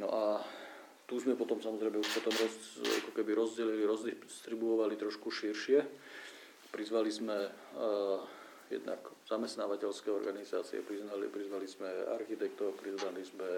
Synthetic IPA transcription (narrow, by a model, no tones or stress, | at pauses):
nɔ̰ʔa | t̪uːzmɛpɔt̪ɔmsamɔzɾɛjmɛuʃpɔt̪ɔmɾɔa̰kɔkɛbiɾɔzɟɛliliɾɔzd̪ist̪ɾibuɔʋalit̪ɾɔʃkuʃiɾʃɪɛ | pɾizʋalizmɛ | jɛ̰d̪na̰kz̥amɛst̪naːʋacɛlskɛːɔɾɡaniza̰ːt͡siɛ̰pɾiznalipɾizʋalizmɛa̰ɾxit̪ɛk̚t̪ɔpɾizʋalizmɛ